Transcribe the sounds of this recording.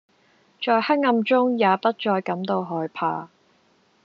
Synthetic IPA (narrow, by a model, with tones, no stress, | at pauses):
t͡ʃɔː˧jhɐ˥t̚ŋɐ˧mt͡ʃʊ˥ŋjaː˨˧pɐ˥t̚t͡ʃɔː˧jkɐ˨˥mt̪o˧wɦɔː˨˩jpʰaː˧